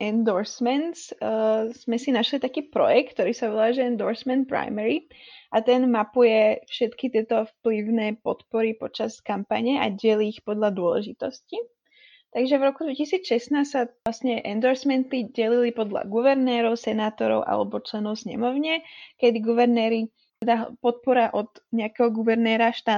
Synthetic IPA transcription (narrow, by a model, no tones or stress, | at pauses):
ɛnd̪ɔɾsmɛns | z̥mɛsinaʃlit̪akiːpɾɔ̰jɛk̚t̪t̪ːɔɾiːsaʋɔlaːʒɛɛnd̪ɔɾsmɛnt̪̚pɾa̰jmɛɾi | ʔat̪ɛnmapujɛfʃɛt̪kit̪ɪɛt̪ɔfpliʊnɛːpɔt̪pɔɾipɔt͡ʃaskampa̰ɲɛʔa̰ɟɛliːxpɔd̪lad̪ʊɔlɛ̰ʒit̪ɔsci | t̪aɡʒɛvɾɔkud̪ʋɛcisiːt͡sʃɛsnaːssaʋlasɲɛʔɛnd̪ɔɾsmɛnt̪iɟɛlilipɔd̪la̰ɡuʋɛɾnɛːɾɔʊsɛnaːt̪ɔɾɔ̰ʊʔa̰lɛ̰bɔt͡ʃlɛnɔʊsɲɛ̰mɔʊɲɛkɛd̪iɡuʋɛɾnɛːɾi | t̪ɛd̪apɔt̪̚pɔɾaʔɔd̪ɲɛakɛːɦɔɡuʋɛɾnɛːɾaʃt̪a